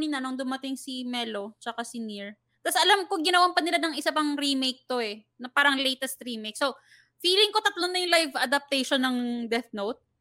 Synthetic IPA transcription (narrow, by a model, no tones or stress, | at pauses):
ninɐnoŋd̪ʊmɐt̪ɪŋsimɛlo̞t͡ʃɐkasɪniɹ | t̪asʔɐlamkʊŋɡɪnɐwampɐnɪlanɐŋʔɪsapɐŋɾimejk̚t̪o̞ɛ | nɐpaːɾɐŋlejt̪ɛst̪ɾiːmejk̚so | fiːlɪŋko̞t̪ɐt̪lonːɐjʊŋlajvɐd̪ɐp̚t̪ɛjʃonːɐŋd̪ɛθnowt̪̚